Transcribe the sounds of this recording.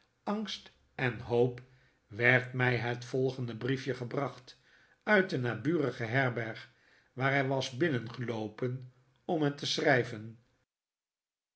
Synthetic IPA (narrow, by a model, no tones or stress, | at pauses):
ɑŋst | ɛnɦowp | ʋɛɹtmɛjɦətfɔlˠχəndəbrifjəχəbrɑχt | œɥt̚dənaːbyːrəχəɦɛɹbɛɹχ | ʋaːɹɦɛjʋɑzbɪnənχəlowpən | ɔmɦətəsrɛjvən